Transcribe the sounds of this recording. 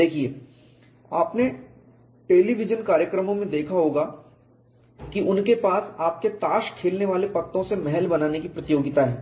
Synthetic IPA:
d̪eːkʰieː | aːpne | ʈeːliʋɪd͡ʒənkaːɾjəkɾəmõmẽd̪eːkʰaɦoːɡa | kiʔʊnkepaːsaːp̚ket̪aːʃkʰeːlneʋaːlepɐk̚t̪õsemɛɦɛlbɐnaːnekipɾɐt̪ɪjoːɡɪt̪aɦɛː

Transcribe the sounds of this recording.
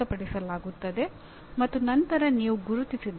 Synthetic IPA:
ɐpɐɽisɐlaːɡut̪ːɐd̪e̞ | mɐt̪ːunɐnt̪ɐɾɐniːʋuɡuɾut̪isid̪

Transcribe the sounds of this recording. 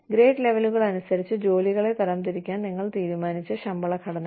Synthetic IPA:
ɡɾe̞ːʈle̞ʋɐluɣɐɭɐnusɐɾit͡ɕːɨd͡ʑo̞ːliɣɐɭe̞t̪ɐɾɐmt̪iɾikʲːaːnniŋːɐɭt̪iːɾumaːnit͡ɕːɨɕɐmbɐɭɐkʰɐɽɐn

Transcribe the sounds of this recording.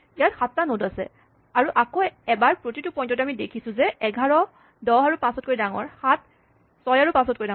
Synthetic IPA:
ijatxatːanodasɛ̰ | aɹuʔakoɛbaɹpɹotitupɔj̃ntɔtamidekʰisʊ̃zɛɛɡʱaɹɔ | dɔɦaɹupãsɔt̚koɹidaŋɔ̰ɹxat̚ | sɔjaɹupãsɔt̚koɹidaŋ

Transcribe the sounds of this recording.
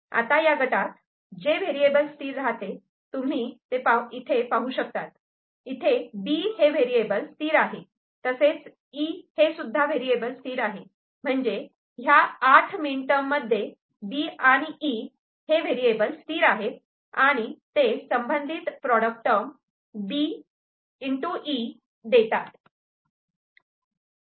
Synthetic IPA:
a̰t̪ajaɡʱəʈat̪̚ | d͡ʑeʋeɾiebəlsʈ̪iːɾːat̪e | t̪um̤iːt̪epait̪ʰepaɦuɕək̚t̪at̪ | it̪ʰebiheʋeɾiebəlst̪iːɾaɦe | t̪əset͡s | ihesud̪ʱːaʋeɾiebəlsʈiːɾaɦe | m̤əɳd͡ze | ɦjaaʈʰmiɳʈəmːəd̪ʱːje | biaɽ̃iʔi | heʋeɾiebəlsʈ̪iːɾaɦe | aɽ̃it̪esəmbənd̪ʱit̪pɾɔɽək̚ʈəm | bi | iɳʈuʔi | d̪et̪at̪

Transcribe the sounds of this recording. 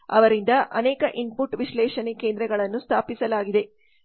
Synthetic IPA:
ɐ̰ʋɐɾind̪ɐʔɐnɛːkɐʔimpuʈʋiʃlɛːʂɐnekeːnd̪ɾɐɡɐɭɐnːust̪ʰaːpisɐlaːɡid̪e̞

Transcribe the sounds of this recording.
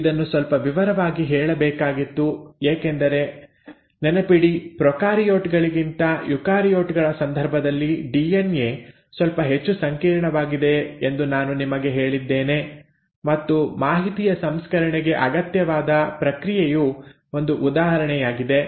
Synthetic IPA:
id̪ɐnːusʋɐlpɐʋiʋɐɾɐʋaːɡiɦɛːɭɐbɛːkaːɡit̪ːueːkend̪ɐɾe̞ | nɛnɐpiɽipɾɔkaːɾijoːʈɡɐɭiɡint̪ɐjukaːɾijoːʈɡɐɭɐsɐnd̪ʱɐɾbʱɐd̪ɐlːiɖienjeː | sʋɐlpɐɦe̞t͡ʃːusɐŋkiːɾɐɳɐʋaːɡid̪e̞end̪unaːnunimɐɡe̞ɦe̞ːɭid̪ːeːne | mɐt̪ːumaːɦit̪ijɐsɐmskɐɾɐɳɛɡe̞ʔɐɡɐt̪jɐʋaːd̪ɐpɾɐkɾijeju | o̞nd̪uʔːd̪aːɦɐɾɐɳɛjaːɡid̪e̞

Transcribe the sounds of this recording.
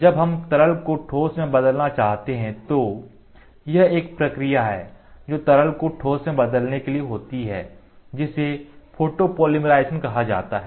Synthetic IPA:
d͡ʒɐbɦɐmt̪ɐɾəlkoʈʰoːsmẽbɐd̪əlnat͡ʃaːɦt̪eɦɛ̃t̪o | jɐɦeːk̚pɾɐkɾijaɦɛːd͡ʒoːt̪ɐɾəlkoʈʰoːsẽbɐd̪əlnekelieɦoːt̪iɦɛː | d͡ʒɪsefʰoːʈopoːlɪmɾaːɪsənkɐɦad͡ʒa̰ːt̪aɦɛː

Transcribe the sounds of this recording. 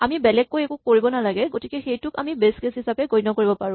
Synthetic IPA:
amibɛlɛkːojekukːoɹibɔnalaɡɛɡotikɛxejtʊka̰mibeskesɦisapɛɡojnɔkoɹibɔpaɹʊ̃

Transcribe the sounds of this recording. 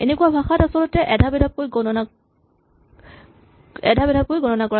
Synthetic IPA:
ḛnekuabʱaxatasɔlɔtɛʔɛdʱabɛdʱap̚kojɡɔnɔna | ɛdʱabɛdʱap̚kojɡɔnɔnakɔɹa

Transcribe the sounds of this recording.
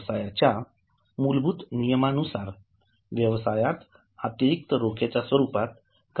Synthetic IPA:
sajat͡ɕja | mulbʱut̪nijəmanusaɾ | ʋjəʋsajat̪ | at̪jəɾik̚t̪əɾokʰet͡ɕasʋəɾupat̪̚ | k

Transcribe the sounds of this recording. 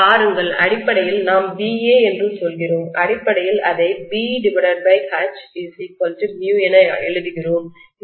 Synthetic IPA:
aːɾɯŋɡɐɭɐ̰ɽɪpːɐɽɐjɪlnaːmbiːeːɛndrɯsɔlɣɪroːmʔɐɽɪpːɐɽɐjɪlɐðɐɪbiːɖɪbɐɽɐɾbɐɪhaːt͡ʃɪsipɔltɯnjuːɛnɐɛɻɯðɯɣɪroːm

